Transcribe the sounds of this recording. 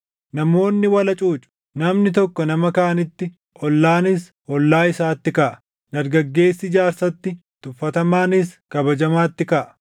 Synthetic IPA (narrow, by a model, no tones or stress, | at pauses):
nɐmo̞ːnːɪwɐlɐt͡ʃʼuːt͡ʃʼʊ̥ | nɐmnɪt̪̬ɔkːɔnɐmɐkaːʔɐnɪt̪ːɪ | ʔɔlːaːnɪs | ɔlːaːɪsaːt̪ːɪkɐʔɐ̥ | d̪ɐɾɡɐɡːe̞ːsːɪd͡ʒaːɾsɐt̪ːɪt̪ʊfːɐt̪ɐmaːnɪskɐbɐd͡ʒɐmaːt̪ːɪkɐʔɐ̥